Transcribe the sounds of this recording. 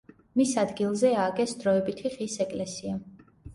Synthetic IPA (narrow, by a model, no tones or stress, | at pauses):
misad̪ɡilˠzɛaɡɛsd̪ɾɔɛbit̪ʰiʁisɛkʼlɛsia